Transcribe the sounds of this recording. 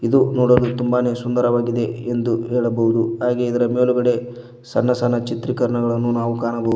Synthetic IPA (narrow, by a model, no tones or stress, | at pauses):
id̪unoːɽɐd̪ut̪umbaːne̞ːsund̪ɐɾɐʋaːɡid̪e̞end̪uɦɛːɭɐbɐɦud̪uɦaːɡe̞id̪ɐɾɐme̞ːluɡɐɽe̞ | sɐnːɐsɐnːɐt͡ʃit̪ɾikɐɾɐɳɐɡɐɭɐnːunaːʋukaːɳɐbɐu